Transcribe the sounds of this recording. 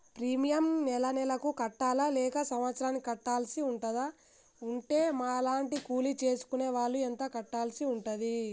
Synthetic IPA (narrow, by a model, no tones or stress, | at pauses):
pɾiːmijɐmnɛlɐnɛlɐkukɐʈːaːlalɛːkɐsɐmʋɐt̪sɐɾaːnːikikɐʈːaːlsiuɳʈɐd̪a | uɳʈe̞ːmaːɐlaːɳʈikuːlit͡ʃe̞ːsu̥kuneːʋaːɭːuɛnt̪ɐkɐʈːaːlsiuɳʈɐd̪i